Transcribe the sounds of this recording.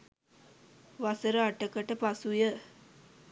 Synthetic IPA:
ʋasəɾəaʈəkəʈəpasujə

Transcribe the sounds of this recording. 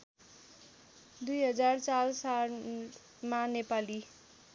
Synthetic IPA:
d̪ujɦʌd͡zaɾt͡salsal | manepali

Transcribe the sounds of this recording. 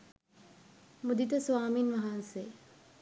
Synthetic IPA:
mud̪it̪əsʋaːminʋɐɦanse

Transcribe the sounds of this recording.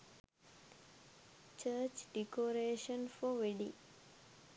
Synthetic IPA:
t͡ʃəːt͡ʃɖikoːɾeːʃənfɔʋeɖḭ

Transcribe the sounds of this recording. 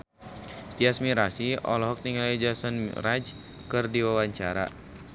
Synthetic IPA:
jasmiɾasiɔ̰lɔɦɔk̚niŋalad͡ʒasɔnrad͡ʒ | kɨrdiwawaɲt͡ʃaɾa̰

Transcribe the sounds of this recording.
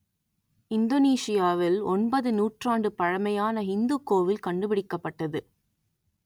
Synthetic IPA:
ɪnd̪oniːsɪjaːʋɪlɔnbɐðɯnuːʈraːɳɖɯpɐɻɐmɐjaːnɐɦɪnd̪ɯkːoːʋɪlkɐɳɖɯpɪɽɪkːɐpːɐʈːɐðɯ

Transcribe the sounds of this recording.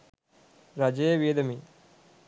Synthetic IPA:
ɾad͡ʒejʋeːd̪ɐmi

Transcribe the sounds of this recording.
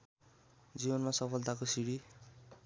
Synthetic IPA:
d͡zibʌnmasʌpʰʌlt̪akosiɽi

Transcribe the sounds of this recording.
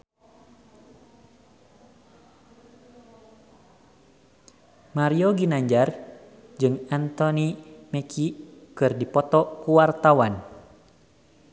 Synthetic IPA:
maɾioɡinaɲd͡ʒar | d͡ʒɨŋant̪ɔnimɛkʰikɨrdipɔt̪ɔkuwart̪awan

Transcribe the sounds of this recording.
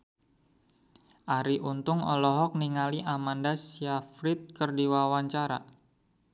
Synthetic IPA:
ʔaɾiʔunt̪ʊŋɔ̰lɔɦɔk̚niŋaliʔamandasiafɾɪt̪̚kərdiwawaɲt͡ʃaɾa̰

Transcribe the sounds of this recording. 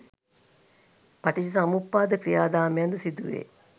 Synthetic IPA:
paʈiʃis̬amupːaːd̪əkɾijaːd̪aːmeɐnd̪əsid̪uʋḛː

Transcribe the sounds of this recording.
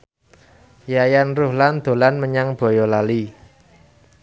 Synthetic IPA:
jajanruhland̪̥o̤lanməɲaŋb̥ɔ̤jɔlali

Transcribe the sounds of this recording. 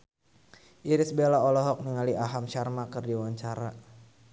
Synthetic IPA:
ʔiɾɪsbelaɔlɔɦɔk̚niŋaliʔaɦamʃarmakɨrdiwaɲt͡ʃaɾa

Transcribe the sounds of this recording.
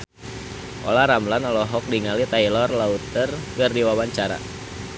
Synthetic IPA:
ʔɔ̰laɾamlanɔlɔɦɔk̚diŋalit̪ailɔrlaut̪ərkərdiwawaɲt͡ʃaɾa̰

